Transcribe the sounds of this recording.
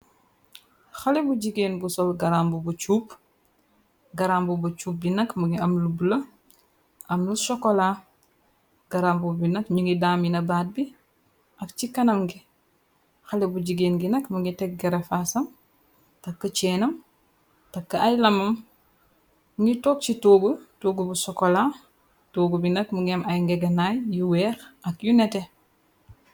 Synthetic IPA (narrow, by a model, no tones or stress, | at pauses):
xɐlɛbuɟiɡeːnbusɔlɡɐɾaːmbubut͡ʃuːp̚ | ɡɐɾambubut͡ʃuːp̚binɐkmuɡiɐmlubulɐ | ʔɐmlusɔkɔla | ɡɐɾambubinɐkɲuŋɡidaːminɐbaːt̚bi | ʔɐkt͡ʃikɐnɐmɡi | xalebuɟiɡenɡinɐkmuŋɡitɛk̚ɡɐɾefasɐm | tɐkːɐt͡ʃɛːnɐm | takːɐajlɐmɐm | muŋɡitoːk̚t͡ʃitoːɡutoːɡubusɔkola | toːɡubinɐkmuŋɡemajŋɡeɡɐnajjuwɛːxɐkjunete